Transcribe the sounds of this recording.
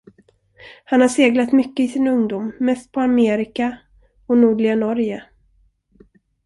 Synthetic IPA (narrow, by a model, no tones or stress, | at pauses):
hanhaʂeːɡlat̪mʏkːəɪsɪnɵŋd̪uːmːɛst̪̚pʰɔameːɾɪka | ɔnuːɖɭɪɡanɔɾjə